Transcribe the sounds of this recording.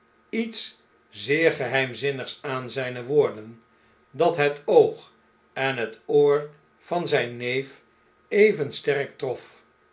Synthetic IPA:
its | zɪːɹχəɦɛjmzɪnəχsaːnzɛjnəʋoːɹdən | dɑtɦətowχ | ɛnɦətoːɹ | v̥ɑnzɛjnːejf | ejvənstɛrk̚trɔf

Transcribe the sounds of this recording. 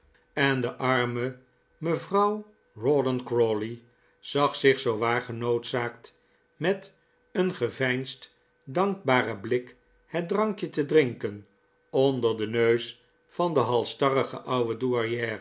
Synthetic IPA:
ɛndəʔɑɹmə | məvrʌw | rodənkroli | z̥ɑχsɪχsowʋaːɹχənowtsaːkt | mɛt | ənχəvɛjnst | dɑŋɡ̚baːrəblɪk | hɛt̚drɑŋkjətədrɪŋkən | ɔndəɹdənøɥs | fɑndəɦɑlˠstɑrəχə̰ʔʌwəduɑɹjɛːr

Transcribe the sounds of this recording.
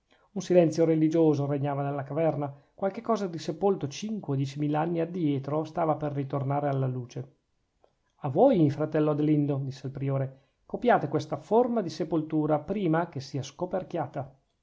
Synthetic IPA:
unsilɛnt̪sjoɾelid͡ʒoːzoɾeɲːaːvanelːakavɛrnakwalkekːɔːzad̪isepolt̪ot͡ʃiŋkweod̪jɛt͡ʃimiːlaanːiad̪jɛːt̪ɾost̪aːvaperːit̪ornaːɾealːaluːt͡ʃe | avoːjmifɾat̪ɛlːoad̪elind̪od̪isːeilpɾioːɾe | kopjaːt̪ekwest̪aformad̪isepolt̪uːɾapɾiːmakesiːaskoperkjaːt̪a

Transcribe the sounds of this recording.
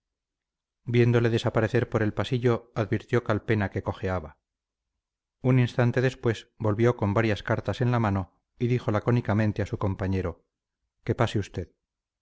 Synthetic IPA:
bje̞nd̪ole̞ðe̞sapaɾe̞θe̞ɾpo̞ɾe̞lpasiʝoaðβiɾt̪jo̞kalpe̞nake̞ko̞xe̞aβa | uninst̪ant̪e̞ðe̞spwe̞sbo̞lβjo̞ko̞mbaɾjaskaɾt̪ase̞nlamano̞ | iðixo̞lako̞nikamẽ̞nt̪easuko̞mpaɲe̞ɾo̞ | ke̞paseust̪e̞ð

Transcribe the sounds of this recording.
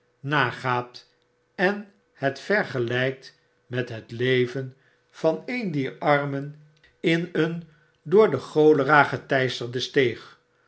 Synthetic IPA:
naːχaːt | ɛn | hɛtfɛɹχəlɛjk̚t | mɛtɦətlejvən | v̥ɑnejndiːɹɑɹmən | ɪnən | dʊːɹdəχowləraːχətɛjstəɹdəstejχ

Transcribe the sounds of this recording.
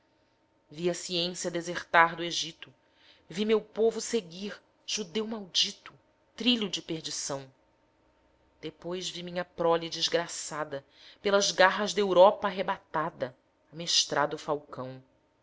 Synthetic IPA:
viɐsiẽsjɐd̪ezeɾt̪aɾd̪ʊeʒit̪ʊ | vimewpovʊseɡiɾ | ʒ̥ud̪ewmawd͡ʒit̪ʊ | t̪ɾiʎʊd͡ʒɪpeɾd͡ʒisɐ̃w̃ | d̪̥epojzvimĩɲɐpɾɔlid͡ʒɪzɡɾasad̪ɐ | pelɐzɡaɦɐzd̪ɐewɾɔpɐaːɦebat̪ad̪ɐː | meʃt̪ɾʔad̪ʊfawkɐ̃w̃

